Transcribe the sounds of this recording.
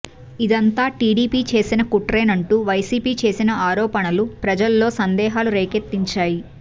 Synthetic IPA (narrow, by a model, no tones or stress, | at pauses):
id̪ɐnt̪aːʈiːɽiːpiːt͡ʃe̞ːsinɐkuʈɾeːnɐɳʈuːʋɐjsiːpiːt͡ʃe̞ːsinɐaːɾɔːpɐɳɐlupɾɐd͡ʒɐlːo̞ːsɐnd̪ɛːɦaːluɾeːket̪ːiɲt͡ʃaːji